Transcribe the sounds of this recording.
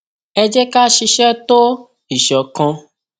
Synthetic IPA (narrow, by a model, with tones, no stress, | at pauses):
ɛ˧d͡ʒɛ˦ka˦ʃi˧ʃɛ˦to˦ | i˦˨ʃɔ˨kã˧